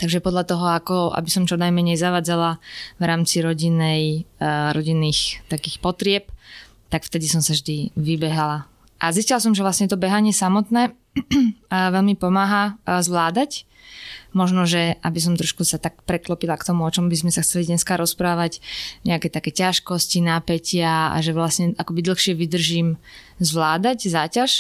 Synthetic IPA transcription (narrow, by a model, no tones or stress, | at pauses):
t̪aɡʒɛpɔd̪ʎat̪ɔɦɔakɔa̰bisɔmt͡ʃɔnajmɛɲɛjzaʋaːd͡zalaʋɾaːmt͡siɾɔɟinːɛjɾɔɟinːiːxt̪akiːxpɔt̪ɾɪɛp̚ | t̪akft̪ɛd̪isɔmsavʒd̪iʋibɛɦala | ʔaziscilas̬ɔmʒɛvlasɲɛt̪ɔbɛɦaɲɪɛsamɔt̪nɛː | ʋɛʎmipɔmaːɦazʋlaːd̪ac | mɔʒnɔʒɛʔabis̬ɔmt̪ɾɔʃkusat̪akpɾɛklɔpilakt̪ɔmuɔt͡ʃɔmbizmɛsaxt͡sɛlid̪ɲɛskaɾɔspɾaːʋacɲɛakɛːt̪akɛːcaʃkɔscinaːpɛcɪaa̰ʒɛʋlasɲɛʔakɔbid̪l̩ˠxʃɪɛʋid̪r̩ʒiːmzʋlaːd̪aczaːcaʃ